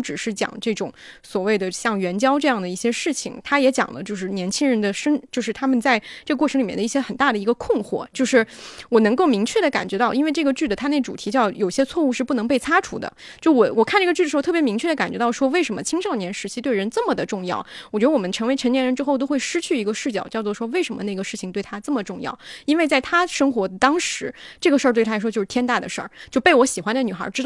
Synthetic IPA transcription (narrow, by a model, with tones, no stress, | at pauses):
ʈ͡ʂɻ̩˨˩ʂɻ̩˥˩t͡ɕjɑ̰˨˩˦ŋʈ͡ʂɤ˥˩ʈ͡ʂʊ̰˨˩ŋ | swɔ˨˩we˥˩ɪd̪ə˩ɕjɑ˥˩ŋɥɛ˧˥nt͡ɕjɑ˥ʊʈ͡ʂɤ˥˧jɑ˥˩ŋd̪ə˩i˥˩ɕjɛ˥ʂɻ̩˥˩t͡ɕʰḭ˨˩ŋt̪ʰa˥jɛ˧˥t͡ɕjɑ̰˨˩ŋlə̰˦t͡ɕjo˥˧ʊʂɻ̩˥˩njɛ˧˥nt͡ɕʰi˥ŋɻə˧˥nd̪ə˧˨ʂə˥nt͡ɕjo˥˧ʊʂɻ̩˥˩t̪ʰa˥mə˨nt͡sa˥˧ɪʈ͡ʂɤ˥˩ɡə˧kwɔ˥˩ʈ͡ʂʰɤ˧˥li˨˩jɛ˥˩d̪ə˧i˥˩ɕjɛ˥xə˨˩nt̪a˥˩d̪ə˩i˧˥ɡə˧kʰʊ˥˧ŋxwɔ̰˥˩t͡ɕjo˥˧ʊʂɻ̩˥˩wɔ˨˩nɤ˧˥ŋko˥˩ʊmi˧˥ŋt͡ɕʰɥɛ˥˩ɾə˩ka̰˨˩nt͡ɕɥɛ˧˥ɑ˥˩ʊʔi˥nwe˥˧ɪʈ͡ʂɤ˥˩ɡə˩t͡ɕy˥˩d̪ə˩a˥ne˥˩ɪʈ͡ʂu˨˩i˧˥t͡ɕjɑ˥˩ʊjo˨˩ʊi˧˩ɕjɛ˥t͡sʰwɔ˥˧u˥˧ʂɻ̩˥˧pu˥˩nɤ˧˥ŋpe˥˩ɪt͡sʰa˥ʈ͡ʂʰṵ˧˥d̪ə̰˧ | t͡ɕjo˥˩ʊwɔ˨˩wɔ˨˩kʰa˥˧nʈ͡ʂɤ˥˩ɡə˩t͡ɕy˥˩ə˩˧˥t̪ʰɤ˥˩pjmi˧˥t͡ɕʰɥɛ˥˩d̪ə˩ka˨˩nt͡ɕɥɛ˧˥t̪ɑ˥˩ʊʂwɔ˥we˥˩ɪʂə˧˥nmə˧t͡ɕʰi˥ŋʂɑ˥˩ʊnjɛ˧˥nʂɻ̩˧˥t͡ɕʰi˧˥t̪we˥˩ɪɻə˧˥nt͡sə˥˩mə˩d̪ə˩ʈ͡ʂʊ˥˧ŋjɑ̰˥˩ʊwɔ˨˩t͡ɕɥɛ˧˥ə˧wɔ˨˩ə˦nʈ͡ʂʰɤ˧˥ŋwe˧˥ə˧˥ŋt͡ɕ̪jɛ˥nɻə˧˥nʈ͡ʂɻ̩˥xo˥˧t̪o˥ʊxwe˥˩ɪʂɻ̩˥t͡ɕʰy˥˩i˧˥ɡə˧ʂɻ̩˥˩t͡ɕjɑ˨˩ʊt͡ɕjɑ˥˧ʊt͡swɔ˥˩ʂwɔ˥we˥˩ɪʂə˧˥nmə˧ne˥˩ɡə˩ʂɻ̩˥˩t͡ɕʰi˨ŋt̪we˥˩ɪt̪ʰa˥t͡sə˥˩mə˩ʈ͡ʂʊ˥˧ŋjɑ̰˥˩ʊi˥nwe˥˧ɪt͡sa˥˩ɪt̪ʰa˥ʂɤ˥ŋxwɔ˧˥t̪ɑ˥ŋʂɻ̩˧˥ʈ͡ʂɤ˥˩ɡə˩ʂə˥˧t̪we˥˩tʰa˥˧˩ʂɔ˥t͡ɕo˥˧ʊɻ̩˥t̪ʰjɛ˥nt̪a˥˩d̪ə̰˩ʂə̰˞˥˩t͡ɕjo˥˧ʊpe˥˩ɪwɔ˧˥ɕi˨˩xwa˧˥nd̪ə˧˩ny˨˩xɐ̰˞˧˥ʈ͡ʂɻ̩˥t̪